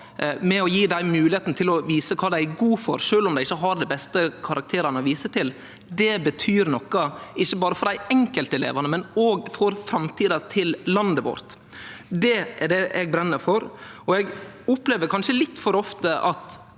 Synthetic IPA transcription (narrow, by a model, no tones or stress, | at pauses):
mɛɔjiːd̪æɪmʉːlɪeːt̪n̩ət̪ʰɪlɔʋiːsəkʰɑːd̪æɪɡuːfɔɾʂøːlʊmd̪æɪɪçːəɦɑɾd̪ɛbɛst̪əkʰɑɾɑk̚t̪ʰeːɾɑnəɔʋiːsət̪ʰɪl | d̪ɛbət̪ʰyːɾnɔkːɑɪçːəbɑːɾəfɔɾd̪æɪɛŋkəlt̪ɛlḛːʋɑnəmɛnoːɡfɔɾfɾɑmt̪ʰiːd̪ɑt̪ʰɪllɑnd̪əʋɔ̰ɾt̪ | d̪ɛɛɖɛʔɛɡ̚bɾɛnːəɾfɔɾɔɛɡʊpleːʋəɾkʰɑnʂəlɪt̪ːfɔɾɔft̪əʔɑt̪